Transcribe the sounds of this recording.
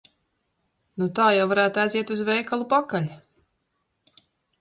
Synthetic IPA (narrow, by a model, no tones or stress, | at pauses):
nut̪aːjawvaɾæːt̪aziɛt̪uzvɛjkalˠupakalʲ